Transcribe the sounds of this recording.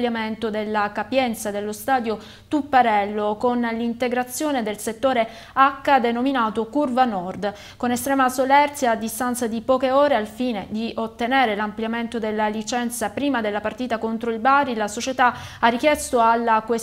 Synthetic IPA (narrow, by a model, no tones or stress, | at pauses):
ljament̪od̪elːakapjɛnt̪sad̪elːost̪aːd̪jo | t̪upːaɾɛlːokonlint̪eɡɾat̪sːjoːned̪elset̪ːoːɾe | akːad̪enominaːt̪okurvanɔrd̪ | konest̪ɾɛːmasolɛrt̪sjaːd̪ːist̪ant̪sad̪ipɔːkeoːɾealfiːned̪iot̪ːenɛːɾelamplijament̪od̪elːalit͡ʃɛnt̪sapɾiːmad̪elːapart̪iːt̪akont̪ɾoilbarilasot͡ʃet̪aarːik̟jɛst̪oalːakwe